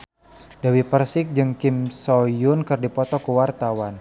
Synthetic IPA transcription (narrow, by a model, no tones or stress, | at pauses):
d̥awipərsɪk̚d͡ʒɨŋkimsɔjʊnkɨrdipɔt̪ɔkəwart̪awan